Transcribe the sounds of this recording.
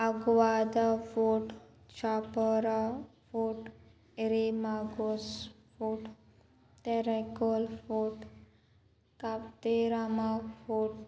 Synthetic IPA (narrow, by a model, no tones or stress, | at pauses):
aɡwad̪afoʈ | t͡ʃapəɾafoʈ | eɾimaɡos | fuʈ | t̪eɾekolfoʈ | kapt̪eɾamafoʈ